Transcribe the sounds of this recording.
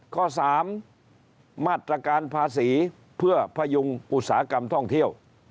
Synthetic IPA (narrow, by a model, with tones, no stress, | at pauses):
kʰɔː˥˩saː˩˦mː | aː˥˩t̪ːɾa˧kaː˧npʰaː˧siː˩˦ | pʰɯ˥˩ɐpʰa˧jo˧ŋʔu˨˩t̪̚saː˩˦a˦˧ka˧mt̪ʰɔ˥˩ŋt̪ʰi˥˩əw